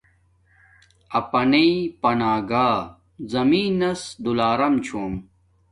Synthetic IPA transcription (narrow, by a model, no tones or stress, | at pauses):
ɐpɐneipɐnaːɡaː | zɐmiːnɐsd̪ulaːɾɐmt͡ɕʰuːm